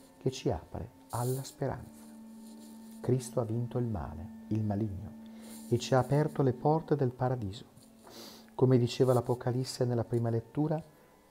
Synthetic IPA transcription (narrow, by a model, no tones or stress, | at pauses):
ket͡ʃːia̰ːpɾḛ | alːaspeɾa̰nt̪sa | kɾist̪oavːint̪oilma̰ːlḛilmaliɲːo̰et͡ʃːiaːpɛrt̪olepɔrt̪ed̪elpaɾad̪iːzo | komed̪it͡ʃeːvalapokʰalisːenelːapɾiːmalet̪ːuːɾa